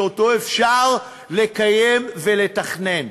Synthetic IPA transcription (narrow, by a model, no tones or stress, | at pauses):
oto̞efʃaʁ | lekajemve̞le̞taχne̞n